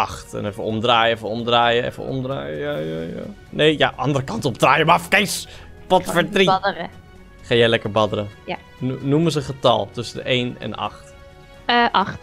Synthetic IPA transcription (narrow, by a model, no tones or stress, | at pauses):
ʔɑχtɛ̰nɛfəɔmdraːjəɛfəɔmdraːjəɛ̰fə̰ɔ̰mdraːjjajaja̰ | nejjaʔɑndəɾəkɑntɔp̚draːjəmafkɛjs | pɔtfəɹtridrə | χaːjɛjlɛkəɹbɑdəɾəja | numəs̬əχətɑ̰lˠtɵsədə̰ejnɛ̰nɑ̰χt | ʔɑχt